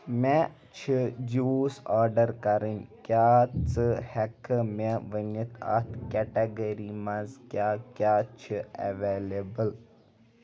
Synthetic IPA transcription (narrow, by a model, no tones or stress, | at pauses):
me | t͡ʃʰid͡ʒuːsaːɾɖəɾkɐɾinʲkjaːt͡sɨhɛkʰɨmeʋənit̪ʰa̰t̪ʰkɛʈeɡəɾimɐzkjaːkʲaːt͡ʃʰiɐ̰ʋeːlebəl